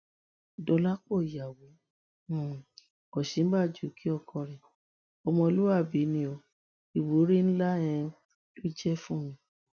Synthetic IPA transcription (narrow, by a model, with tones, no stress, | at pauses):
dɔ˧la˦k͡po˦˨ja˨wẽ˨˦˨ | kɔ˨ʃi˨˦n̩˦ba˦˨d͡ʒu˨˦kʰi˦ɔ˦˨kʰɔ˧ɾɛ˨ | ɔ˧mɔ̃˧lu˦a˦˨bi˨˦nĩ˧o˧ | i˨wo˨˦ɾi˦ñ̩˦lã˦ɛ̃˧ | to˦d͡ʒɛ˦fũ˦mĩ˧